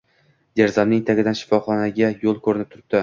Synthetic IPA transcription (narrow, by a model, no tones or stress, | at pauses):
d̪eɾzɒnnɪŋt̪ʰaɡʲɪd̪anʃɪ̥fɒχɒnaɡʲajolˠkʰɵɾɪnɪp̚t̪ʰʊɾɪp̚d̪̥ɪ